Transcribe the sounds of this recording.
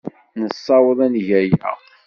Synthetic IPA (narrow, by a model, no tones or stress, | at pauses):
nəsˤːɑwəðˤænʝæjæ̰